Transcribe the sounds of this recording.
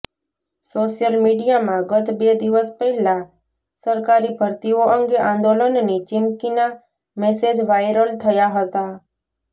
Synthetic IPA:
soʃjəlmiɖijamãɡət̪bed̪iʋəspəɦila | səɾkaɾibʱəɾt̪ioʔəŋɡeʔãnd̪olənnit͡ʃɪmkina | mesed͡ʒʋajɾəlt̪ʰəjaɦət̪a

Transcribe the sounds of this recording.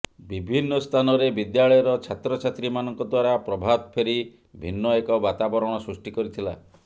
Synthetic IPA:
bibʱinːɔst̪ʰanɔɾebid̪jaɭɔjɔɾɔt͡ʃʰat̪ɾɔt͡ʃʰat̪ɾimanɔŋkɔd̪waɾapɾɔbʱat̪ɔpʰeɾi | bʱinːɔekɔbat̪abɔɾɔɽ̃ɔsɾusʈikɔɾit̪ʰila

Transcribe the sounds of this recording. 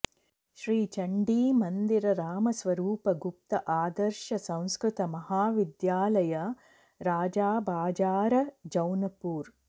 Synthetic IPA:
ʃɾiːt͡ʃɐɳɖiːmɐnd̪iɾɐɾaːmɐsʋɐɾuːpɐɡup̚t̪ɐʔaːd̪ɐɾʃɐsɐ̃w̃skɾut̪ɐmɐɦaːʋid̪jaːlɐjɐ | ɾaːd͡ʒaːbaːd͡ʒaːɾɐd͡ʒɐwnɐpuːɾ

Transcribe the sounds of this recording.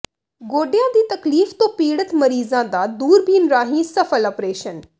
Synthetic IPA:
ɡoːɖɪjãːd̪iːt̪əkliːft̪õːpiːɽət̪məɾiːzãːd̪aːd̪uːɾbiːnɾaːɦĩːsəpʰəlɔːpɾeːʃən

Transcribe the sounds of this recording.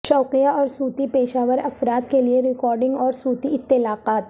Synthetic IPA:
ʃɔːqijaɔːɾsuːt̪ipeːʃaːʋəɾɐfɾaːt̪kelieɾɪkɔːɾɖɪ̃ŋɡɔːɾsuːt̪iɪt̪ːɪlaːqaːt̪

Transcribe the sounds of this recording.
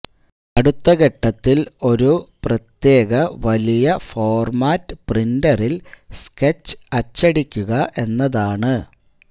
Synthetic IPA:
ɐɽut̪ːɐɣeʈːɐt̪ːilo̞ɾuprɐt̪je̞ːɣɐʋɐlijɐfo̞ːrmaːtːɨprindɐrilsket͡ɕːɨ̥ɐt͡ɕːɐɽikʲːuɣɐʔe̞nːɐðaːɳɨ

